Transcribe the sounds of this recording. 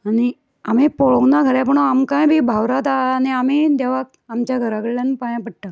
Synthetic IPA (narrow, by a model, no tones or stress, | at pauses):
añi | amipoɭoɡnaɡʱəɾapəɳ̃oamkãjbʱibʱaʋɾat̪aniamid̪aʋak̚ | amt͡ɕjaɡʱəɾakəɽlãnpajãpəɽʈa